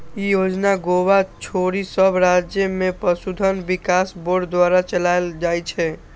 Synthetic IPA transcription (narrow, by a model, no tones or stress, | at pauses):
ijod͡ʒnaɡowat͡ʃʰoɾisəbʱɾad͡ʒjəmepəsud̪ʱənbikasboɾɖd̪waɾat͡ʃəlajld͡ʒajt͡ʃʰɛ